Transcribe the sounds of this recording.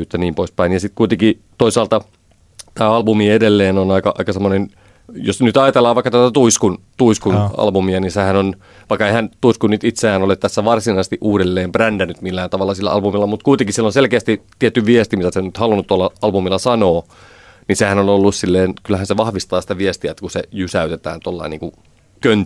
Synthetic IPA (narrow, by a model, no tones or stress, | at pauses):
yt̪ːæniːmpoispæinjɑsit̪kuit̪eŋkit̪oisɑːlt̪ɑ | t̪æːɑlbumiedelːeːnonɑikɑʔɑ̰ikɑsemːonen | josnyt̪ɑjɑt̪elːˑɑːʋɑikːɑt̪æt̪æt̪uiskunt̪uiskunɑ̰lbumiɑnisehænon | ʋɑikːɑehænt̪uiskunyt̪it̪seæːnolet̪t̪æsːæʋɑrsinɑˑisest̪iʔuːdelːeːmbrændænyt̪milːæːnt̪ɑʋɑlːɑsilːæ̰ɑlbumilːɑmut̪kuit̪ẽŋkisilːonselkeæst̪it̪ːiet̪ːyʋiest̪imit̪æseonyt̪hɑlunːut̪t̪ːuɑlːɑɑlbumilːɑsɑnoː | nisehænonolːussilːeːnkylːæhænseʋɑhʋist̪ɑːsi̥t̪æʋiest̪iæt̪ːækusejysæyt̪et̪æ̰ːnt̪uoɑlːɑ̰inḭːŋku | kønt̪